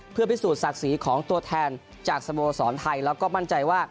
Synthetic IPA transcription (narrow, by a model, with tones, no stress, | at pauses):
pʰɯ˥˩əpi˦˥˩suː˨˩t̪̚sa˨˩k̚siː˩˦kʰɔː˩˦ŋt̪u˧ɐt̪ʰɛː˧n | t͡ɕaː˨˩k̚sa˧moː˧sɔː˩˦nt̪ʰa˧jlɛː˦˥wkɔː˥˩ma˥˩nt͡ɕa˧jwaː˥˩